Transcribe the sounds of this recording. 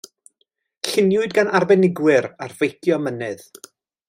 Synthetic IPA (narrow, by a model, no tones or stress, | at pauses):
ɬɪnjʊɨdɡanarbɛnɪɡwɪɾarvejkʰjɔmənɨð